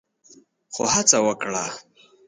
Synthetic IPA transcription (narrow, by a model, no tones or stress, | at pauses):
xo̰hat͡sawəkɽa̰